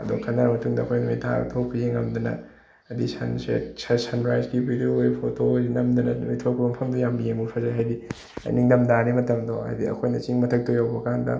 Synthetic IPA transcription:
ɐdokʰɐnːɐɾmɐtuŋdɐɐkʰojnɐmitʰa̰tʰopʰiziŋɐmd̪ɐnɐ̰ | disɐnsḛsesanɾajzɡibidioojpʰotojinɐmd̪ɐnɐmitʰokʰbɐmpʰɐmdujambɐjeŋbupʰɐzaɦajdi | ɐ̰jniŋdɐmdanimɐtɐmdoɦa̰jdiɐ̰kʰojnɐt͡ʃiŋmɐtʰɐk̚tʰojawbɐɐkandɐ̰

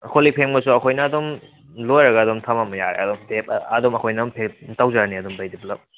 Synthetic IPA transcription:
kʰolipʰeŋbɐsuɐkʰojnɐːd̪om | lojɾɐɡɐːdomtʰɐmamɐja̰ɾḛɐd̪omtep̚ɐd̪omɐkʰojnɐpʰetawzaɾniɐd̪ombajdibulɐp̚

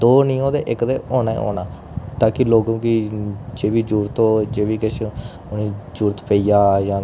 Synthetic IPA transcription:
d̪oːnĩːoːd̪eːʔɪkd̪eːʔoːnaːḛːo̰ːnaː | t̪aːkɪloːɡõkid͡ʒeːʋiːd͡ʒuːɾt̪oːd͡ʒeːʋiːkəʃe | ʊnĩːd͡ʒuːɾt̪pəiːjaːjãː

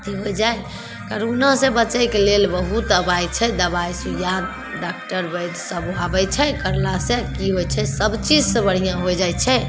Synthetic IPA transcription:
t̪iɦojd͡ʒaj | kəɾonasẽbət͡ʃəjkelelbəɦut̪əbajt͡ʃʰɛd̪əbajsujad̪̚ | ɖak̚ʈəɾbəd̪səbabɛt͡ʃʰɛkəɾlasẽkiɦojt͡ʃʰɛsəbt͡ʃid͡ʒsebəɽ̤ijãɦojd͡ʒajt͡ʃʰɛ

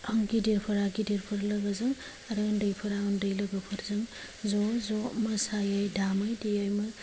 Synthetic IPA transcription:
ɐŋɡidiɾpʰɯɾaɡidiɾpʰɯɾlɐɡazɯŋ | ɐɾɯndɯjpʰɯɾaɯndɯjlɐɡɐpʰɯɾzɯŋ | zɔzɔmɐsajajdamɯjdijajmɯ

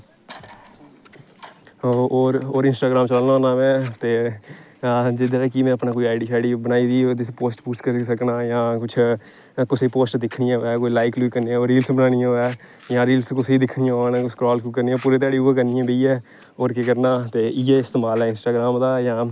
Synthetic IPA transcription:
oːɾoːɾɪnsʈaːɡɾãːmt͡ʃələːnaoːnaːʋɛ̃ːt̪eː | d͡ʒɪd̪eeːkimɛ̃ːəpnãːkoːiːaːɪɖiːʃaːɪɖiːbənaːiːd̪iːoːd̪ɪpoːsʈpuːskəɾsəknaːjãːkʊt͡ʃʰ | kʊseiːpoːsʈd̪ɪkʰɽɪjãːʋɛːkoːiːlaːɪkluikəɾneãːoːɾɾiːlsbənaːnɪjãːɛː | jãːɾiːlskʊsiːd̪ɪkʰɽɪjãːonãːkʊsʰkɾɔːlkuːkəɾniːãːpuːɾeːt̪̬aːɽiːuːaːk̬əɾnɪjãːbeiːɛː | oːɾkek̬əɾnaːt̪eːɪːeːɪst̪eːmaːlɛːɪnsʈaːɡɾaːmd̪aːjãː

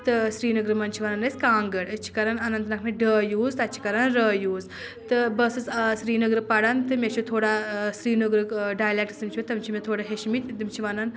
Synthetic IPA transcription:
t̪ɨsɾiːnɨɡɾɨmɐnʲt͡ʃʰiʋɐnɐnɐsʲkaːŋɡɐɽɐt͡ʃʰi̥kɐɾɐnɐnɐnt̪nɐkʰmeɖəːjuːzt̪ɐt͡ʃʰi̥kɐɾɐnɾəːjuːz | t̪ɨbɐsɨssɾiːnɐɡɾɨpɐɽant̪ɨmʲet͡ʃʰut̪ʰoːɽasɾiːnɐɡɾɨkɖaːjlek̚ʈɨ̥sɨmt͡ʃʰt̪ɐmt͡ʃʰimet̪ʰoːɽaɦeʃmit̪ʲd̪imt͡ʃʰiʋɐnɐn

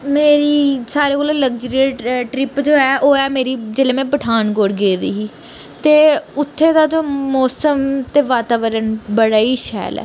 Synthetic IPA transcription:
meːɾiːsaːɾeːkoːleːləkd͡ʒəɾiʈɾɪpd͡ʒoːɛːʔoːɛːmeːɾiːd͡ʒeːleːmɛ̃ːbəʈʰaːnɡoːɽɡeːd̪ḭːɦiː | t̪eːʊt̪ʰːeːd̪aːd͡ʒoːmɔːsəmt̪eːʋaːt̪aːʋəɾənbəɽaːiːʃɛ̰ːlɛ̰ː

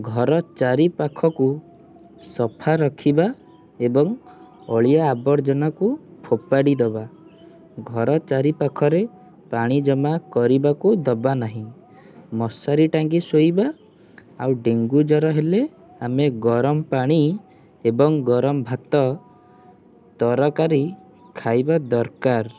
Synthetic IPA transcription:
ɡʱɔɾɔt͡ʃaɾipakʰɔku | sɔpʰaɾɔkʰiba | ebɔŋ | ɔ̰ɭijaːbɔɾd͡ʒɔnakupʰopaɽid̪ɔba | ɡʱɔɾɔt͡ʃaɾipakʰɔɾe | paɽ̃id͡ʒɔmakɔɾibakud̪ɔbanaɦĩ | mɔsaɾiʈaŋɡisojba | a̰wɖeŋɡud͡ʒɔɾɔɦele | ameɡɔɾɔmɔpaɽ̃i | ebɔŋɡɔɾɔmɔbʱat̪ɔ | t̪ɔɾɔkaɾi | kʰajbad̪ɔɾkaɾ

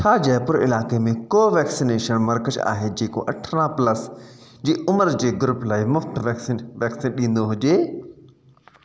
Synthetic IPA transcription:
t͡ɕʰaːd͡ʑɐɦpʊɾɪ̰laːkemẽkoːʋɛːksɪneːʃənmɐɾkət͡ʃa̰ːɦed͡ʑeːko̰ʔɐʈʰɾãpləsd͡ʑeːʔʊməɾd͡ʑeːɡʊɾʊplaːimʊft̪ʋɛːksɪnʋɛːksɪnɗĩːn̆d̪oɦʊd͡ʑeː

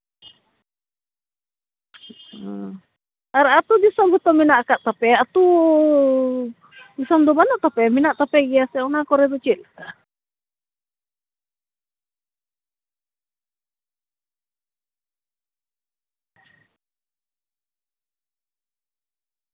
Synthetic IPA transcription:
aɾat̪udisɔmbut̪ɔminaʔkaʔt̪apɛat̪u | disɔmd̪ubanɔʔt̪apɛminaʔt̪apɛɡiasɛunakɔɾɛdut͡ʃilka

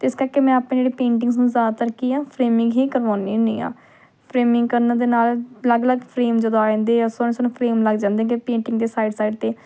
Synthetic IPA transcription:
t̪ːɪskəɾkeːmɛ̃ːapnẽːd͡ʒeːɽiːpẽːɳʈɪ̃ŋɡsnũːzjaːd̪aːt̪əɾkːiːãːpʰɾeːmɪ̃ŋɡɦiːkəɾʋaːniːʊ̃nḭːã̰ː | pʰɾeːmɪ̃ŋɡkəɾnãːd̪eːnaːlləɡləɡpʰɾeːmd͡ʒəd̪õaːẽːnd̪eːaːsonẽːsənũːpʰɾeːmləɡd͡ʒãːnd̪ẽːɡeːpẽːɳʈɪŋɡd̪eːsaːɪɖsaːiɖt̪eː

